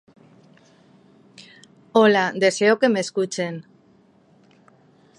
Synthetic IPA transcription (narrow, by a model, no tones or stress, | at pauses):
olad̪e̞se̞oke̞meskut͡ʃen